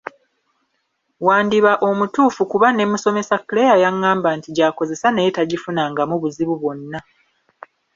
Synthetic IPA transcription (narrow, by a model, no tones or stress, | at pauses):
waːndiβaʔo̞mutuːfukuβane̞muso̞me̞sakːlejajaŋːaːmbantiɟaːko̞ze̞sanejetaɟifunaŋɡamuβuziβuβo̞nːa